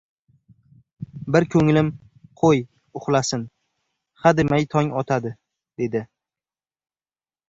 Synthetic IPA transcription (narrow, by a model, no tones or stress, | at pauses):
bɪɾkʲʰɵŋlɪm | qʰoj | ʊχlˠasɪn | χad̪ɪmajt̪ʰɒŋɒt̪ʰad̪ɪ | d̪̥e̞d̪ɪ